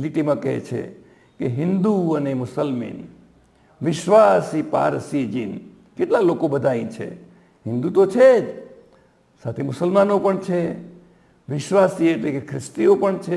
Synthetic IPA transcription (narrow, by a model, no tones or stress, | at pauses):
liʈimãkəɦḛt͡ʃʰḛ | keɦɪnd̪uənemʊsəlmḭn | ʋɪʃʋasipa̰ɾsid͡ʒin | keʈlalokobəd̪ʱaĩt͡ʃʰḛ | ɦɪnd̪ut̪ot͡ʃʰed͡ʒ | sat̪ʰemʊsəlmanopəɳt͡ʃʰe | ʋɪʃʋasieʈlekekʰɾɪst̪iopəɳt͡ʃʰe